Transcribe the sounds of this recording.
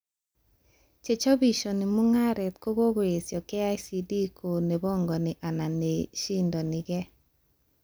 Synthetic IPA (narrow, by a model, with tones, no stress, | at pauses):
t͡ʃe˨t͡ʃɔ˦bi˨ʃo˨nɪ˨mʊ˦ŋa˦ɾɛ˨t̪ko˦ɡo˦ɡwe˨sjɔ˨ke˦a˦jsi˨di˦kʰo˨ne˨bɔ˦ŋɡɔ˨nɪ˨ʔa˨na˨ne˨ʃi˦ndɔ˨nɪ˨ɡɛ˦